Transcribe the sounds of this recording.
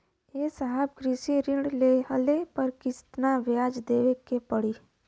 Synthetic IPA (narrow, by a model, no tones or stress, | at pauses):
esaɦəb̚ɡɾisiɾɪɳɖleɦəlepəɾkɪst̪naʋjaːd͡ʒd̪eːʋekepəɽiː